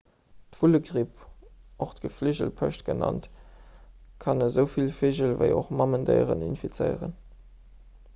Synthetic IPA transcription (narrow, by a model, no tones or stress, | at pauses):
tv̥uləɡʁipoχtɡ̥əfliʑəlpʰə̰ɕtɡ̥ənɑ̰nt | kʰɑnəzəʊfilfiʑəlvə̰ɪo̰χmɑməndə̰ɪʁə̰nḭnfit͡səɪəʁən